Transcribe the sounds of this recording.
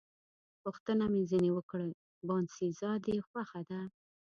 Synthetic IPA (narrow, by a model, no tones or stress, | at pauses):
puxt̪ənamezinewəkɽə | bɑnsizɑd̪exwaxad̪a